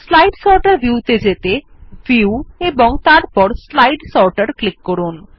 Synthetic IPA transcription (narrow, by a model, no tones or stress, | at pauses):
slajɖsɔɾʈaɾbiut̪ed͡ʑet̪efiueboŋt̪aɾpɔɾslajɖsɔɾʈaɾklikːɔɾun